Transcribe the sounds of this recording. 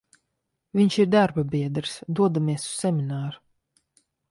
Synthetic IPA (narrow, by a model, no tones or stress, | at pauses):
vʲiɲʃiɾd̪aɾbabʲiɛd̪ɾsd̪uɔd̪amiɛsu̥sːɛmʲinaːɾu